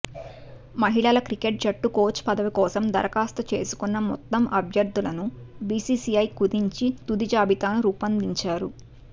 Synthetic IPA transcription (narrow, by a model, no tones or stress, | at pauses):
mɐɦiɭɐlɐkɾikeʈ̚t͡ʃɐʈːuko̞ːt͡ʃpɐd̪ɐʋikɔːsɐmd̪ɐɾɐkaːst̪ɐt͡ʃe̞̰ːsu̥kunːɐmɔ̰t̪ːɐmʔɐbʱjɐɾd̪ʱulɐnubiːsiːsiɐjkud̪iɲt͡ʃit̪ud̪id͡ʒaːbit̪aːnuɾuːpɐnd̪iɲt͡ʃaːɾu